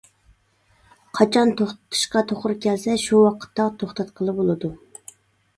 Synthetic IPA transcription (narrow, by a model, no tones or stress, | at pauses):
qʰɑt͡ʃʰɑnt̪ʰoχt̪ɨ̥t̪ʰɨ̥ʃqɑt̪ʰoχɾkʲɛlsɛʃuwɑqʰə̥t̪ːɑt̪ʰoχt̪ɛt̪qʰəlˠɨbolˠɨd̪u